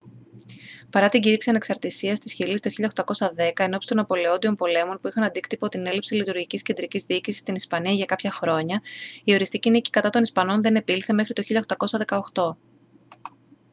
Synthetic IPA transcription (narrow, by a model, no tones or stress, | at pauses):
pɐɾɐt̪iɲɟiɾiksiɐne̞ksɐɾt̪isiɐst̪isçilist̪oçiʎɐoxt̪ɐko̞sɐðe̞kɐe̞no̞pst̪o̞nɐpo̞le̞o̞nd̪io̞mpo̞le̞mo̞npuixɐnɐnd̪ikt̪ipo̞t̪ine̞lipsilit̪uɾʝicisce̞nd̪ɾicizðiicisi̥st̪inispɐniɐʝɐkɐpçɐxɾo̞ɲɐio̞ɾist̪icinici̥kɐt̪ɐt̪o̞nispɐno̞nðene̞pilθe̞me̞xɾit̪oçiʎɐxt̪ɐko̞sɐðe̞kɐo̞xt̪o̞